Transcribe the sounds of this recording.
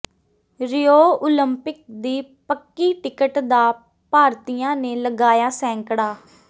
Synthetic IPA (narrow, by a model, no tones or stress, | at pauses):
ɾɪjoːoːləmpɪk̚d̪iːpəkːiːʈɪkəʈd̪aː | paːɾt̪ijãːneːləɡaːjaːsɛ̃ːŋkɽaː